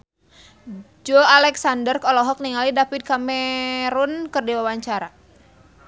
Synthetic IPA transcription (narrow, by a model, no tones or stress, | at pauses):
d͡ʒɔalɛksandərkɔlɔɦɔk̚niŋalidafit̪̚kamɛɾunkɨrdiwawaɲt͡ʃaɾa